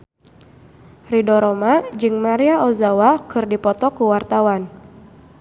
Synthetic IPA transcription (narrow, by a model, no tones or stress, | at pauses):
ridɔɾɔmad͡ʒɨŋmaɾiaɔzawakɨrdipɔt̪ɔkuwart̪awan